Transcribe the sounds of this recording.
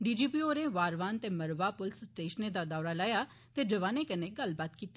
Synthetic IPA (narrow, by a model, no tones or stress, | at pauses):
ɖiːd͡ʒiːpiːoːɾeːʋaːɾʋaːnt̪eːməɾʋaːpʊlssʈeːʃneːd̪aːd̪ɔːɾaːlaːjaː | t̪eːd͡ʒəʋaːneːkəneːɡəlbaːt̪kiːt̪ːeː